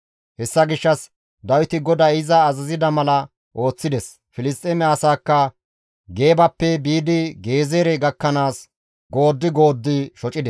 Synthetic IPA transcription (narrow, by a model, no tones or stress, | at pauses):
hɛsːɐɡɪʃːɐs | d̪ɐwɪt̪ɪɡɔd̪aːɪzɐːzɐzɪd̪ɐmɐlɐ | ʔo̞ːt͡sːɪd̪ɛs | fɪlɪst̪ʼemɛɐsaːkːɐ | ɡe̞ːbɐpːɛbiːd̪ɪɡe̞ːzeːɾɛɡɐkːɐnaːs | ɡo̞ːd̪ːɪɡo̞ːd̪ːɪʃɔt͡ʃʼɪd̪ɛs